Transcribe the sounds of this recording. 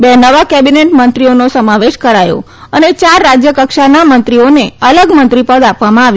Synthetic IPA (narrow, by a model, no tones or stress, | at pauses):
bɛnəʋakɛbineʈmənt̪ɾionosəmaʋeʃkəɾajo̰ | ənet͡ʃaɾːad͡ʒjəkəkʃanamənt̪ɾioneələɡmə̃nt̪ɾipəd̪apʋamãaʋj